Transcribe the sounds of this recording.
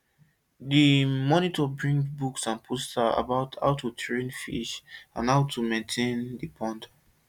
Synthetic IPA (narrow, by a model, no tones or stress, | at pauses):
dimɔnitɔbɹĩŋbuksãnpʰostaa̰baʊtʰa̰ʊtʰutʰɹẽnfḭʃã̰naʊtʰumẽntʰẽndipʰɔ̃nd